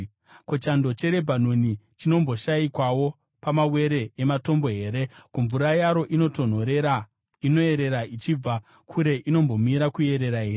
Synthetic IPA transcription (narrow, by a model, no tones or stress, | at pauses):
kot͡ʃando̞t͡ʃe̞ɾe̞bʱan̤onit͡ʃino̞mbo̞ʃaikwawo̞ | pamawe̞ɾe̞ːmato̞mbo̞ɦe̞ːɾe̞kuɱvuɾajaɾo̞ʔino̞ton̤oɾe | inoe̞ɾeɾait͡ʃib͡va | kʰuɾe̞ʔino̞mbo̞miɾakue̞ɾe̞ɾaɦeːe